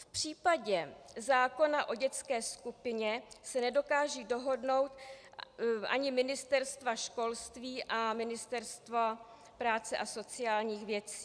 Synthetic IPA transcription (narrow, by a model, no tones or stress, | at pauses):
fpr̝̥iːpaɟɛzaːko̞naʔo̞ɟɛt͡skɛːskupɪɲɛsɛnɛdo̞kaːʒiːdo̞ɦo̞dno̞wt̪ | ʔa̰ɲɪmɪnɪst̪ɛɾst̪vaʃko̞lst̪viːʔamɪnɪst̪ɛɾst̪va | pɾaːt͡sɛʔaso̞t͡sɪjaːlɲiːxvjɛt͡si̥ː